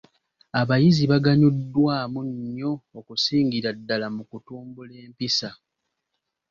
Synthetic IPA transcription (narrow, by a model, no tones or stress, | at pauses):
aβajiziβaɡaɲudːwaːmuɲːo̞ːkusiːŋɡiɾadːalamukutuːmbule̞ːmpisa